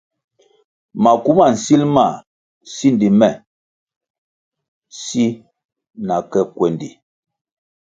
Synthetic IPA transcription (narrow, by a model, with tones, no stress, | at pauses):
ma˨ku˦ma˦˨n̩˨si˦lma˨ | si˦ndi˨mɛ˨ | si˦ | na˨kɛ˦kwɛ˨ndi˨